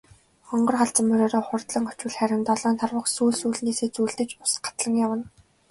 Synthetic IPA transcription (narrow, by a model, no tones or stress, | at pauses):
χɔɴɢɞ̆rχaɮt͡sə̆mːɵɾoːɾɔːχʊrt̪ɮə̆ŋɔ̥t͡ɕwɘ̆ɮχæɾʲɪ̆nt̪ɔɮɔːnt̪ʰarwə̆χsuːɮsuːɮneːseːt͡suːɮt̪ɘ̆t͡ɕʊ̥sɢḁt̪ɮə̆ŋjawə̆n